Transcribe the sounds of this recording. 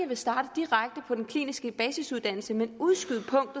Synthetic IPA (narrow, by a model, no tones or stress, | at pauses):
əʋe̝sd̥ɑ̈ːɾ̥əd̥iʁaɡ̥̚d̥əpʰɒ̽d̥enkʰlḭːnisɡ̥əb̥ɛːsisuðˠd̥æn̰l̩səmenuðˠsɡ̥yðˠpʰɔ̽ŋ̰d̥ð̩